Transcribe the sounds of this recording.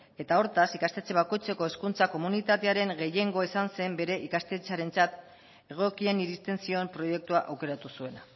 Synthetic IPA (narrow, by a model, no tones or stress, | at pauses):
e̞t̪ao̞ɾt̪asikast̪e̞t͡se̞βako̞jt͡se̞ko̞e̞skunt͡sako̞munit̪at̪e̞aɾe̞ŋɡe̞je̞ŋɡo̞esanse̞mbe̞ɾe̞ʔikast̪e̞t͡saɾe̞nt͡sat̪ | e̞ɣ̞o̞kie̞niɾist̪e̞nsio̞mpɾo̞je̞k̚t̪uaʔawke̞ɾat̪usue̞na